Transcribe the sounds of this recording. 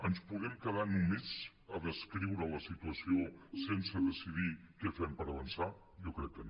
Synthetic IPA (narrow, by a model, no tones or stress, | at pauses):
ənspuɣɛmkəð̞anumit͡s | əðəskɾiwɾələsit̪uəsiosensəðəsiðikɛfɛmpəɾəβənsa | jɔkɾɛkːən